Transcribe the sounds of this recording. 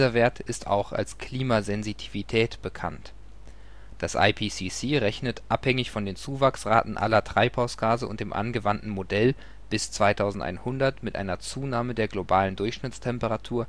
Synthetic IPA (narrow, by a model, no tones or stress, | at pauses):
zɐveːɐtɪsta̰ʊxa̰lskʰl̥iːmazɛnzitʰivitʰɛːtb̥əkʰa̰nt | d̥asʔa̰ɪpʰiːsisiːʁɛçnətʔaphɛŋɪçfɔndeːnt͡suːvaksʁaːtn̩ʔa̰lɐtʁ̥aɪphaʊsɡ̥aːzəʔʊ̰nt̚d̥eːmʔa̰nɡəvantn̩modɛl | b̥ɪst͡sv̥aɪtʰaʊzn̩tʔa̰ɪnhʊndɐtmɪtʔa̰ɪnɐt͡suːnaːmədeːɐɡlobaːləndʊɐçʃnɪt͡stʰɛmpəʁatʰuːɐ